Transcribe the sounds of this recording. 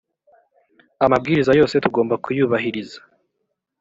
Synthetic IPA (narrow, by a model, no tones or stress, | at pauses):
amab̚ɡiːɾizajo̞ːse̞tuɡo̞ːmbakʰujuːβaɦiɾizḁ